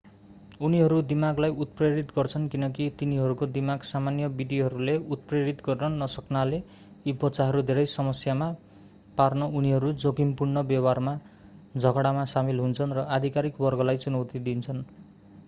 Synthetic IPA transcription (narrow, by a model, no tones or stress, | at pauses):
uniɦʌɾud̪imaɡlajut̪̚preɾit̪ɡʌrt͡sʰʌnkinʌk̬it̪iniɦʌɾukod̪imaɡsamanjʌbid̪iɦʌɾuleut̪̚preɾit̪ɡʌrnʌnʌsʌknale | ibʌtːt͡saɦʌɾud̪ʱeɾʌjsʌmʌsjama | parnʌuniɦʌɾud͡zokimpurnʌbjʌbarma | d͡zʱʌɡɽamasamilɦunt͡sʰʌnrʌʔad̪ʱikaɾikbʌrɡʌlajt͡sunʌwt̪id̪int͡sʰʌn